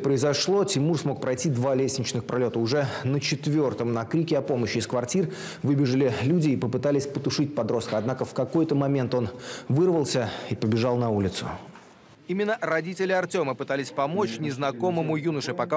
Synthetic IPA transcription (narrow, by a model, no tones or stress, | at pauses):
pɾəɪzɐʂlˠo̞tʲɪmursmo̞k̚pɾɐjtʲid̪valʲesʲnʲɪt͡ɕnɨxpɾɐlʲo̞t̪əʊʐɛnət͡ɕɪt̪vʲo̞rt̪əmnɐkɾʲikʲɪɐpo̞məɕːɪːskvɐrtʲir | vɨbʲɪʐɨlʲɪlʲudʲɪːpəpɨt̪alʲɪsʲpət̪ʊʂɨt̚ʲpɐd̪ɾo̞st̪̚kəɐd̪nakəfkɐko̞jt̪əmɐmʲe̞nt̪o̞nvɨrvəlˠsʲəipəbʲɪʐɑlˠnɐulʲɪt̪sʊ̰ | imʲɪnːərɐdʲitʲɪlʲɪɐrtʲo̞məpɨt̪alʲɪsʲpɐmo̞t͡ɕnʲɪznɐko̞məmʊjunəʂɨpɐka